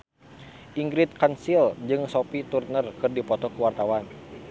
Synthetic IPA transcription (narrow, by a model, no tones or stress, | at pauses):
ʔiŋɡɾit̪̚kansild͡ʒɨŋsɔpit̪urnərkɨrdipɔt̪ɔkuwart̪awan